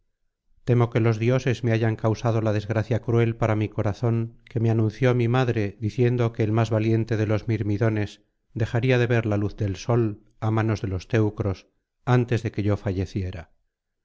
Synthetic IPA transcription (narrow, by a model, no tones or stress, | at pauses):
t̪e̞mo̞ke̞lo̞zðjo̞se̞zme̞aʝaŋkawsað̞o̞lað̞ezɣɾaθjakɾue̞lpaɾamiko̞ɾaθo̞ŋke̞meanũn̟θjo̞amimaðɾe̞ðiθje̞nd̪o̞ke̞ːlmazβalje̞nt̪e̞ð̞e̞lo̞zmiɾmiðo̞ne̞s | d̪e̞xaɾiað̞e̞βe̞ɾlaluθd̪e̞lso̞l | amano̞zðe̞lo̞st̪e̞wkɾo̞s | ant̪e̞zðe̞ke̞ʝo̞faʝe̞θje̞ɾa